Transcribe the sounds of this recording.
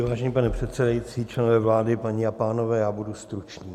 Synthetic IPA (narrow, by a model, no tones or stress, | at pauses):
vaːʒɛɲiːpanɛpr̥ɛt̪sɛdajit͡siːt͡ʃlɛnovɛːvlaːdɪpaɲiːapaːno̞vɛːjaːbudust̪ɾut͡ʃɲiː